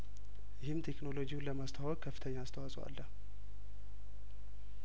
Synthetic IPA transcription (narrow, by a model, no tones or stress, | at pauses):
jɪhɪmt̪ʰekno̞lo̞d͡ʒijunləmast̪ʰəwɔkʼkʰːəfːɨ̥t̪ʰəɲːaːst̪ʰəwasʼwa̰lːəh